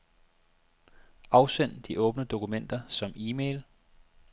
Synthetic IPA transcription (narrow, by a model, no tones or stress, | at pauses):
ɑ̈ʊsen̰d̥iʔɔ̽ːb̥nəd̥o̝kumen̰d̥ɐsɒ̽miːmeɪl